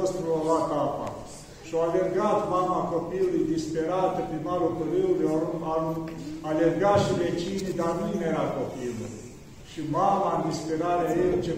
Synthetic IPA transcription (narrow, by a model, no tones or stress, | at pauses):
əst̪ɾuolat̪apa̰ | ʃoalerɡat̪mamakopiulujd̪ispeɾat̪əpɾimalokəɾeulujaa | alerɡat̪ʃivet͡ʃinid̪armineɾakopilṵ | ʃimamand̪ispeɾaɾeajelt͡ʃe